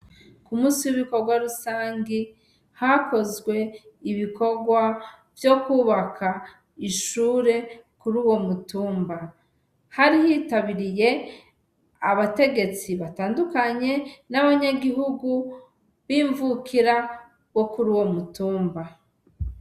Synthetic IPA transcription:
kumuːsiwiβiko̞ɾɡwaɾusaːŋɡi | hako̞zɡwe̞iβiko̞ɡwa | vjo̞kuːβakʰa | iʃuːɾe̞kuɾuːwo̞mutuːmba | haɾihiːtaβiɾije̞ | aβate̞ɡe̞t͡siβataːndukaɲe̞naβaɲaɡiɦuɡu | βiːɱvukʰiɾa | βo̞kuɾuːwo̞mutuːmba

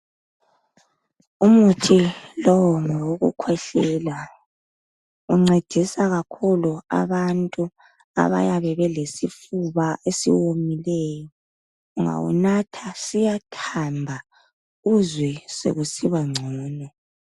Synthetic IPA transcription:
umutʰilɔwɔŋɔwoɣṵkʰwɛɬɛla | uŋ͡ǀed̥ʱisaɣakʰulua̰βantʼu | a̰βa̰jaβɛβɛlesifuβaesḭwomilɛjɔ | uŋa̰wṵnatʰasijatʰambʱa | uzwɛsḛɣusiβaŋ͡ǀʱɔːnɔ

